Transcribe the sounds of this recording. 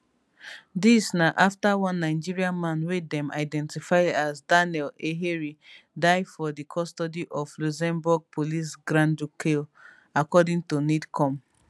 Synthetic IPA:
disnaʔaftawɔ̃nːaɪd͡ʒiɹiãnmãnwedɛ̃mʔa̰ɪdɛ̃ntifaɪdasdanɛleɦeɹi | daɪfɔdikʰɔstɔdiʔɔvluzɛ̃mbuɡ̚pʰolis̬ɡɹãndukʰe | akɔdĩŋtunidkʰɔ̃m

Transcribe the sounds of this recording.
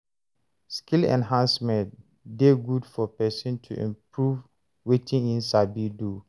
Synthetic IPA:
skilɛ̰̃nɦãnsmɛ̃nt | deɡudfɔpɛsɔ̃ntʰṵʔḭ̃mpʰɹuv | wetʰĩŋĩnsabidu

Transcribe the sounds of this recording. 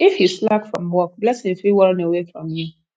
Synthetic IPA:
ɪfhislakfɹɔ̃mwɔk̚lɛtshɪ̃mfiwɔɹ̃newefɹɔ̃mju

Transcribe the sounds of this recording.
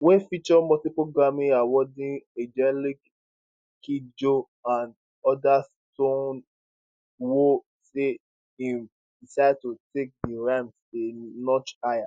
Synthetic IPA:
wẽfit͡ʃɔmɔtipɹoɡɹamĩawɔdĩed͡ʒɛlik | kid͡ʒo | ãnd | ɔdastõn | wo | se | ĩm | disad̚tutek̚diɹãmsenɔt͡ʃaja

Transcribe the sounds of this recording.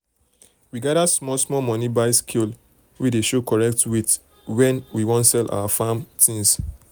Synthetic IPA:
wiɡaɾasmɔsmɔmɔnibaɪskʰil | wideʃokɔɹɛk̚twit | wɛ̃nwiwɔ̃ntsɛlʔa̰wafamtĩŋs

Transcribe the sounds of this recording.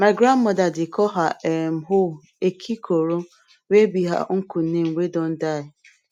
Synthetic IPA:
maɡɾanmɔdadɪkʰɔɦaʔem̩ɦʊ | ekʰikʰoɾo | wʷebiɦa̰ŋ̩kun̩nem̩wedɔn̩daɪ

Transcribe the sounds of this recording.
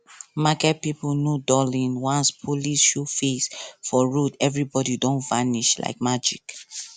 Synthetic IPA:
makɛt̚pipnjudɔlĩnwãnspʰulisʃufisfɔɹudɛvɹibɔdidõntvaniʃla̰ɪk̚mad͡ʒḭk

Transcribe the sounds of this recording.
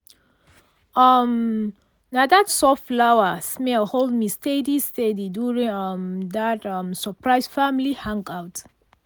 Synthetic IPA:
ʌm | nadatsɔfflawəsmɛlhold̚mistedistediduɹĩŋʌmdatʌmsəpʰɹaɪsfamlihãŋkawt

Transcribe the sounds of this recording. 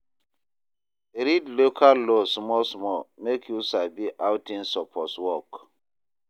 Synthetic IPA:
eɾidlokʰalːosmɔsmɔmekʰjusabiʔawtĩnsɔpʰɔswɔk

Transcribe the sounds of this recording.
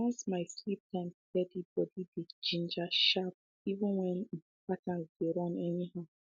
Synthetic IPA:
wɔ̃nsmaɪslip̚tãɪ̃mptɛdibɔdibid͡ʒĩnd͡ʒaʃap̚ | ivɪ̃nwɛ̃n̩ | patãnsɡeɾɔ̃nɛniɦaʊ

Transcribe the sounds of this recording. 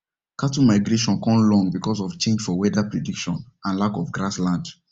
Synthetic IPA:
katumaɪɡɹeʃɔ̃nkɔ̃mlɔ̃ŋɡbikɔs̬ɔft͡ʃẽnd͡ʒfɔwɛdapɹedikʃɔ̰̃n | ãnlakɔfɡɹaslãnd

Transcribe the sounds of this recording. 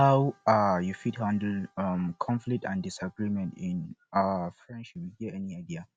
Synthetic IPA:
hawajufidhãndəl̩amkʰɔ̃nflik̚tãndisaɡɹimɛ̃ntĩnafɹɛ̃nt͡ʃuwihiəɛniaɪdia

